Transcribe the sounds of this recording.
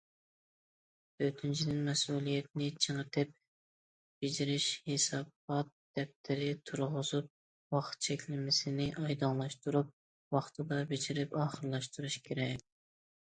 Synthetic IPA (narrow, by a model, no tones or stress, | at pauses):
øt̪ʰynt͡ʃʰid̪ɪnmɛsulˠijɛt̪̚nɪt͡ʃʰəŋəɾt̪ʰɪp̚ | b̥ɪd͡ʒiɾɪʃhesɑbɑt̪̚d̪̥ɛp̚t̪ʰɪɾɪt̪ʰuɾʁʊzup̚ | wɑχt̪̚t͡ʃʰɛkʲlɪmɪsɪnɪʔɑjd̪ɑŋlˠɑʃt̪uɾup̚ | wɑχt̪ʰɨd̪ɑbɪd͡ʒiɾɪpɑːχəɾlˠɑʃt̪uɾuʃkʲʰeɾɛk̚ʲ